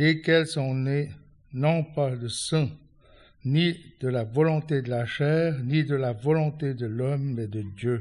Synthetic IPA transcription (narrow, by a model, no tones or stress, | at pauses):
lekɛlsɔ̃ne | nɔ̃pad̪əsɛ̃ | nid̪əlavɔlɔ̃t̪ed̪əlaʃɛːʁnid̪əlavɔlɔ̃t̪ed̪əlɔmːɛd̪əd̪jø